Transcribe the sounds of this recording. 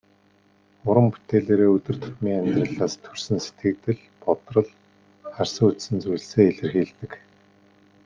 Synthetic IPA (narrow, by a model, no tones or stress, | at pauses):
ʊɾə̆mpu̥t̪eːɮeːɾeːɵt̪ɵ̆r̥t̪ʰʊ̥t̪miːŋamʲt̪rə̆ɮaːst̪ʰɵ̥rsɘ̆nse̥t̪ɡɘ̆kt̪ɘ̆ɮ | pɔt̪rɞ̆ɮ | χarsə̆ŋut̪sɘ̆nt͡sujɮseːeɮɘ̆rxiːɮt̪ɘ̆k